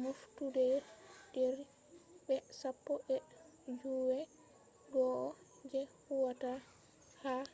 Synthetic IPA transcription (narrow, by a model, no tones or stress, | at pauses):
moftudɛdɛɾ | bɛsapːɔbɛ | d͡ʒuːwɛ | ɡɔʔɔ | d͡ʒɛhuwata | ha